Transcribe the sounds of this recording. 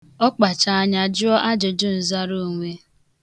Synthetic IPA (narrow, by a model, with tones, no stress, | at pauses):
ɔ˦k͡pa˨t͡ʃa˨a˦ɲa˨d͡ʒʊ˦ɔ˦ʔa˦d͡ʒe˨d͡ʒʊ˦n̩˨za˦ɾu˦˨ŋʷe˦